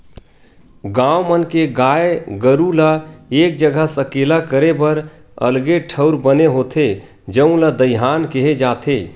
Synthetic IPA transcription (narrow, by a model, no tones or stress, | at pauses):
ɡãwmənkeɡaːeɡəɾulaeːk̚d͡ʒəɡʱəsəkeːlakəɾebəɾ | ə̰lɡeʈʰəʊɾbəneɦoːt̪ʰe | d͡ʒəũlad̪əjɦaːnkeɦed͡ʒat̪ʰe